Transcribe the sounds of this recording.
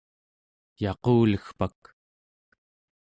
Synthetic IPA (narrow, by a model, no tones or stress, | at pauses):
jɑquːləxpak